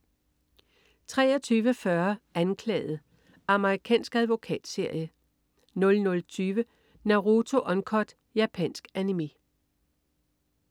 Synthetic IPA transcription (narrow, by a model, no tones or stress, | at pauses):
t͡sʰʁɛ̰ːɒt͡sʰyːʋəfɶɐænkʰlɛ̰ːð̩ˠ | ɑ̈məʁikʰɛ̰ːnsɡ̥æðˠʋo̝kʰɛ̰ːd̥se̝ɐ̰jə | nɔ̽lnɔ̽lt͡sʰyːʋə | næʊʁo̝t͡sʰo̝ʔɒ̽nkʰɒd̥ | jæpʰɛ̰nsɡ̥ænime̝̰